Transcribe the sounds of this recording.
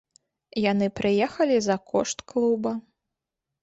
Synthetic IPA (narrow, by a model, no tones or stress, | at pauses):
janɨpɾɨjɛxɐlʲizɐkʰɔ̰ʂt̪klˠubɐ